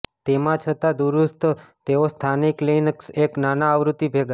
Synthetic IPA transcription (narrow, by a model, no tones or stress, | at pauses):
t̪emãt͡ʃʰət̪ad̪uɾust̪t̪eost̪ʰanikləinəkseknanaːʋɾut̪ibʱeɡa